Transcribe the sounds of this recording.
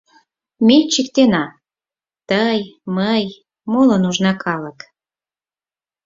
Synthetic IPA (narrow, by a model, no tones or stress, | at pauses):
met͡ɕikt̪enɑ | t̪əjməj | molənuʒnɑkʰɑlək